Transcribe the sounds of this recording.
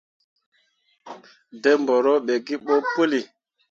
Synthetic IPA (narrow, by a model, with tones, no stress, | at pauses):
de˦mbɔ˨ɾɔ˦ɓe˨ɡi˦ɓo˦pu˦li˨